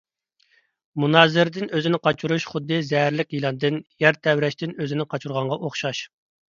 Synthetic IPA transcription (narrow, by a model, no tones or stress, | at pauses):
munɑːzɪɾɪd̪ɪnøzɪnɪqʰɑt͡ʃʰuɾuʃχʊd̪ːɨzɛɦæɾlɪkʲjilˠɑnd̪ɨnjɛɾt̪ʰɛwɾɛʃt̪ɪnøzɪnɪqʰɑt͡ʃʰuɾʁɑɴʁɑʔoχʃɑʃ